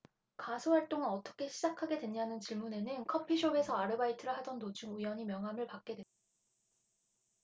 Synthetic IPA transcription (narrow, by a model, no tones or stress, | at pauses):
kasʰohaɭt͈oŋɯnʌt͈ʌ̥kʰe̞ɕʰid͡ʑakʰaɡe̞dwe̞ɲanɯnt͡ɕiɭmune̞nɯnkʰʌpʰiɕʰoe̞sʰʌaɾɯbaitʰɯɾɯhadʌntot͡ɕʰuŋujwʌɲimjʌŋɦamɯɭpak͈̚e̞dwe | a